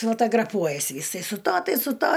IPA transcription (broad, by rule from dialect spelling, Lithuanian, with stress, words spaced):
foːtoːɡrɐˈpuɔjɛs ˈjɪsɐɪ sʊ ˈtɐ ˈtɐɪ sʊ ˈtɐ